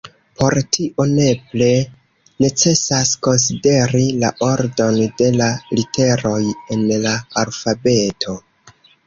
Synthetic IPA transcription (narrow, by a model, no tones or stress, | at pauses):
pʰo̞ɾtʰiʔo̞ne̞ple | ne̞t͡se̞sasko̞ns̬ide̞ɾilaʔo̞ɾdo̞nde̞lalite̞ɾo̞je̞nlaalfabe̞tʰo̞